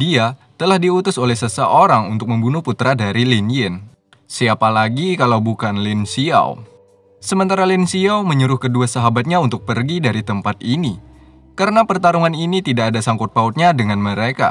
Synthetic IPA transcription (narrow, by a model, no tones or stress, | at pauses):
diat̪əlahdiut̪ʊsolɛhsəsəʔoɾaŋṵnt̪ʊk̚məmbunʊhput̪ɾadaɾilinjən | siapalaɡikalawbukanlɪnsia̰w̰ | səmənt̪aɾalinsiawməɲəɾʊhkəduasaɦabat̪̚ɲaunt̪ʊk̚pərɡidaɾit̪əmpat̪ini | kaɾənapərt̪aɾuŋaninit̪idakadasaŋkʊt̪̚paut̪̚ɲadəŋanməɾeka̰